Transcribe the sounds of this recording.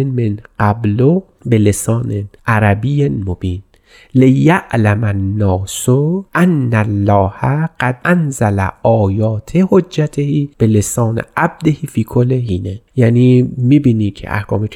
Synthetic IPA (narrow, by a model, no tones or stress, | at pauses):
nmenqablo | belesɒːneʔæɾæbijmobiːn | lejaʔlæmanːɒːsoʔanːælːɒːhæɡ̥æd̪ʔænzælæ̰ɒːjɒːt̪ʰehod͡ʒːæt̪ʰehiːb̥elesɒːnḛʔab̚d̪ehiːfiːkʰolːeɦiːnejæːniːmiːbiːniːkʰḛʔa̰hkʰɒ̰ːmikʰ